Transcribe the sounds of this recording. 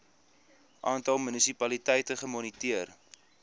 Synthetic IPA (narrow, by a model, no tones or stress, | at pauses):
ʔɑːntɐlˠmynisipɐlitɛjtəχəmɔnitiər